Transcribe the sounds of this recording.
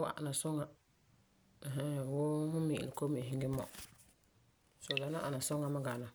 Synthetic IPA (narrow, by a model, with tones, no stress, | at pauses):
wa̰˨ʔa̰˨na˨sɔ˦ŋa˦˨ | ɦa˦wo˦hʊ̃˦mḭ˨ʔlɪ˨ko˦mi˨ɦɪ˦ŋɡɪ˦mɔ̰˨ | so˨da˨˦na˦ʔa˨na˨sɔ˦ŋa˦ma˦ɡa˨na˨